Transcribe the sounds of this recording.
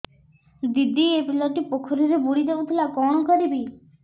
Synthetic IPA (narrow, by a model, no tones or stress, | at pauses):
d̪id̪iepilɔʈipokʰoɾiɾebuɽid̪ebot̪ʰilakɔɽ̃ɔkɔɾibi